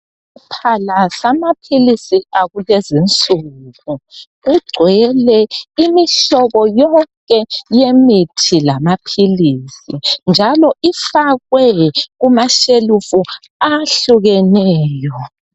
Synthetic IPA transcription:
upʰalasamapʰilisiaɣulezint͡sʼuɣu | uɡ͡ǀʱwɛlɛimiɬɔβɔjɔŋkʼɛjemitʰilamapʰilisind͡ʒʱalɔʔifaɣwɛɣumaʃelufu | aɬuɣɛnɛːjɔ

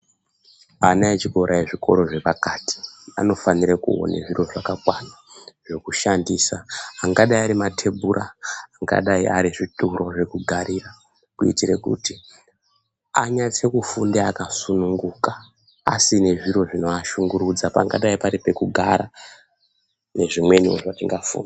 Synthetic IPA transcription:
anaet͡ʃiko̞ɾʔaeʐiko̞ɾo̞ʐe̞ʋakati̥a̰no̞faniɾekṵo̰nḛʐiro̞ʐakakwanaʐ̥e̞kuʃandiːsaːŋɡaɗaiaɾimatʰe̞burʔaːŋɡa̰ɗaiʔaɾiʐitʼuro̞ʐe̞kuɡʱaɾira | kuḭtiɾe̞kṵti | aɲat͡se̞kufundeakasunuŋɡuka | a̰sine̞ʐiɾo̞ʐino̞aʃuŋɡuɾud͡zapa̰ŋɡa̰ɗaipaɾipe̞kuɡʱaɾa | ne̞ʐimwe̞ɲio̰ʐatiŋɡafṵːna

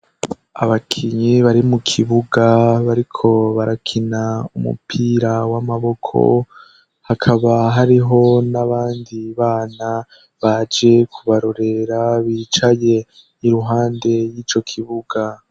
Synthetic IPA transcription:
a̰βakʰiɲiβaɾimukʰiβuɡaβaɾikʰo̞βaɾakʰinaumṵpʰiːɾawamaβo̞kʰo̞̰ | hakʰaβaɦaɾiɦo̞naβaːndiβaːna | βad͡ʒe̞kʰuβaɾo̞ɾe̞ɾaβiːt͡ʃaje̞ | iɾuɦaːnde̞jiːt͡ʃo̞kʰiβuɡa

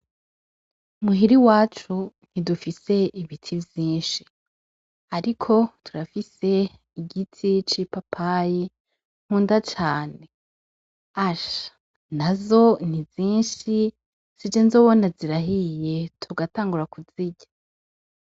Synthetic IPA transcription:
muɦiɾiwaːt͡ʃu | n̥idufise̞ʔiβitʰivjiːnʃi̥ | aɾikʰo̞tʰuɾafise̞ | iɟitʰit͡ʃipapʰaji | ŋ̥huːndat͡ʃaːne̞ | aʃḁ | nazo̞nivĩːnʃi | z̥id͡ʒenzoβonaziɾaɦije̞tʰuɡataːŋɡuɾakuz̥iɟḁ

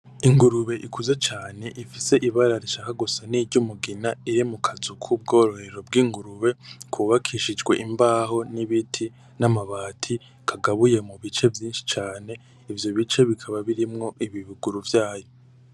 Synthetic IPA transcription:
iŋɡuɾuβe̞ʔikʰuzet͡ʃaːne̞ʔifise̞ʔiβaɾaɾiʃakaɡusaniːɾɟumuɡinaiɾimukʰazukʰub̚ɡo̞ːɾo̞he̞ɾo̞bɡiːŋɡuɾuβe̞kʰuβakʰiʃid͡ʒɡwe̞̰ʔimbaːɦo̞niβitʰi | namaβaːtʰi | kʰaɡaβuje̞muβit͡ʃe̞vjiːnʃi̥t͡ʃaːne̞ | ivjo̞βit͡ʃe̞βikʰaβaβiɾimŋo̞ʔiβiβuɡuɾuvjaːjo

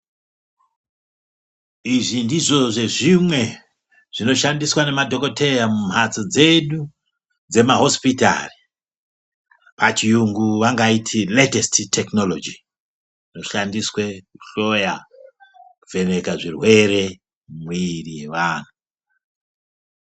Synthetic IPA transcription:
iʐindiʐo̞ʐe̞ʐimwe̞ | ʐ̥ino̞ʃandiswane̞madʱo̞ko̞te̞jamum̤at͡sod͡ze̞ɗu | d͡ze̞maɦo̞spita̰ri | pat͡ʃijuŋɡuʋaŋɡaitʰiletesttʰːekno̞lod͡ʒi | ʐino̞ʃandiswekuɬo̞ja | kuve̞ne̞kaʐirwe̞ɾe̞ | mwiriʋaːn̤u

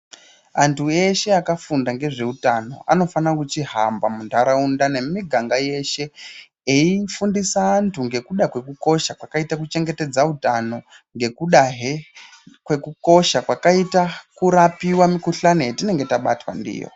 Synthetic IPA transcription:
antʰue̞ʃe̞akafundaŋɡe̞ʐe̞utano̞̰ʔa̰no̞fanakut͡ʃiɦambamundʰʱaɾaundane̞miɡʱaŋɡaje̞ʃe̞ | eifundisaːntʰuŋɡe̞kuɗakwe̞kuko̞ʃakwakaitak̬ut͡ʃe̞ŋɡe̞te̞d͡zautano̞ | ŋɡe̞kuɗaɦe | kwe̞kuko̞ʃakwakaitakuɾapiwamikuɬanetine̞ŋɡe̞taɓa̰twa̰ndḭːjo̰

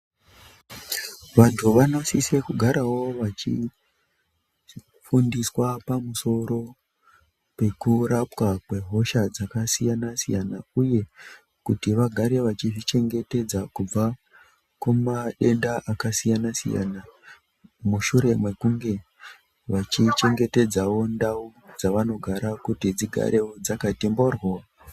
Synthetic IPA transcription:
ʋantʰuʋano̞sise̞kuɡʱaɾawo̞ʋat͡ʃḭ | fundiswapamuso̞ɾo̞ | pe̞kuɾapwakwe̞ɦo̞ʃad͡zakasijanasijanauje̞ | kutiʋaɡʱaɾe̞ʋat͡ʃiʐit͡ʃe̞ŋɡe̞te̞d͡zakub͡va | kumaɗe̞ndaʔakasijanasḭja̰na | muʃuɾe̞mwe̞kuŋɡe̞ | ʋat͡ʃit͡ʃe̞ŋɡe̞te̞d͡zawo̞ndaud͡zaʋano̞ɡʱaɾakutid͡ziɡʱa̰ɾʔe̞wo̞d͡zakatimboroa

